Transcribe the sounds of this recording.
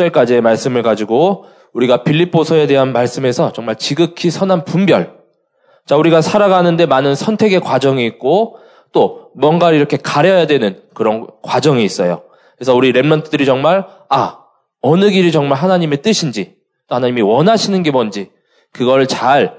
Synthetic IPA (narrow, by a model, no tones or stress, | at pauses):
ʌɭk͈ad͡ʑie̞maɭs͈ɯmɯɭkad͡ʑiɡo | uɾiɡapʰiʎːipʰːosʰʌe̞de̞ɦanmaɭs͈ɯme̞sʰʌt͡ɕʌŋmaɭt͡ɕiɡɯkʰisʰʌnɦanpumbjʌ̰ɭ | t͡ɕauɾiɡasʰaɾaɡanɯnde̞manɯnsʰʌntʰe̞ɡe̞kwad͡ʑʌŋiːk̚k͈o | t͈omwʌnɡaiɾʌkʰe̞kaɾeʌjadwe̞nɯnkɯɾʌnkwad͡ʑʌŋiːs͈ʌjo̰ | ke̞sʰʌuɾiɾe̞mmʌntʰɯdɯɾit͡ɕʌŋmaɭ | a | ʌnɯɡiɾit͡ɕʌŋmaɭɦanaɲime̞t͈ɯɕʰind͡ʑi | t͈ohanaɲimiwʌnɦaɕʰinɯnɡe̞mʌnd͡ʑi | kɯɡʌɯɭt͡ɕaɭ